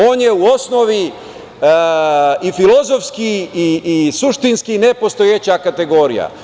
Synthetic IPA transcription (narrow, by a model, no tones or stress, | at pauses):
o̞ːnjeuo̞snoʋi | ifilo̞zo̞fskiː | suʃt̪inskinepo̞st̪ojet͡ɕakat̪e̞ɡo̞ːɾḭja̰